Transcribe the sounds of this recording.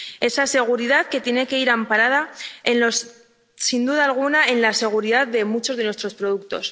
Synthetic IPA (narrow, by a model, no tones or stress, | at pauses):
e̞sase̞ɣ̞uɾiðaðke̞t̪je̞ne̞ke̞iɾampaɾað̞ae̞nlos | sind̪uðaːlɣ̞unae̞nlase̞ɣ̞uɾiðaððe̞mut͡ʃo̞zðe̞nwe̞st̪ɾo̞spɾo̞ð̞uk̚t̪o̞s